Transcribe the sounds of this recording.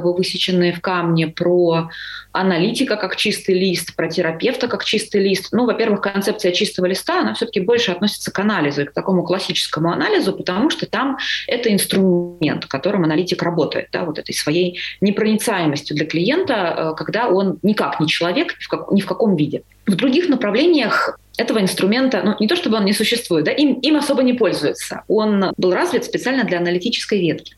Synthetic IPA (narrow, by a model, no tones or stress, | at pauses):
bɨvɨsʲɪt͡ɕɪnːɨjəfkamnʲɪpɾo | ɐnɐlʲitʲɪkəkakt͡ɕist̪ɨjlʲist̪pɾətʲɪɾɐpʲe̞ft̪əkakt͡ɕist̪ɨjlʲist̪nuvɐpʲe̞rvɨxkɐnt̪sɛpt̪sɨjət͡ɕist̪əvəlʲɪst̪aɐnafsʲɵt̪ə̥kʲɪbo̞lʲʂɨɐt̪nosʲɪ̥t̪səkɐnalʲɪzʊɪk̚t̪ɐko̞mʊklˠɐsʲit͡ɕɪ̥skəmʊɐnalʲɪzʊpət̪ɐmuʂt̪ot̪amɛt̪əɪnst̪ɾʊmʲe̞̰nt̪kɐt̪o̞ɾɨmɐnɐlʲitʲɪkrɐbo̞t̪ə̰jɪ̰t̪̚d̪a̰vo̞t̪ɛt̪əjsvɐjejnʲɪpɾənʲɪt̪sajɪməsʲtʲjʊd̪lʲəklʲɪje̞nt̪əəkɐɡd̪ao̞nːʲɪkaknʲɪt͡ɕɪlˠɐvʲe̞kfkɐknʲɪfkɐko̞mvʲidʲɪ | vd̪ɾʊɡʲixnəpɾɐvlʲenʲɪjəxɛt̪əvəɪnst̪ɾʊmʲe̞nt̪ənunʲɪt̪o̞ʂt̪obɨo̞nnʲɪsʊɕːɪst̪vujɪt̪d̪aʔimimɐso̞bənʲɪpo̞lʲzʊjɪt̪sə̰o̞nbɨlˠrazvʲɪt̪spʲɪt̪sɨalʲnəd̪lʲɐɐnəlʲɪtʲit͡ɕɪ̥skəjvʲet̪kʲɪ̥